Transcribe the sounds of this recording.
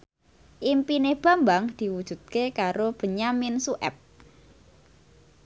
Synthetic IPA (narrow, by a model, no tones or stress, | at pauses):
ʔimpineb̥a̤mbaŋd̪̥i̤wud̥ʒ̥ṳt̪̚kekaɾob̥ə̤ɲamɪnsuʔɛ̰p̚